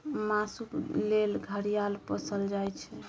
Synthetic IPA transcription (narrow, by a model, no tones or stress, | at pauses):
masuklelɡʱəɾijalpəsəld͡ʒajt͡ʃʰɛ